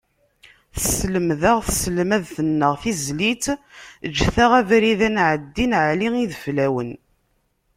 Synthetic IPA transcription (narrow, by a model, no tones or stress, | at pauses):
θəsləmðaʁθəslmæðθənːəʁθizlit̪əd͡ʒːθaʁævɾiðænʕəd̪ːinʕliŋiðəflæwən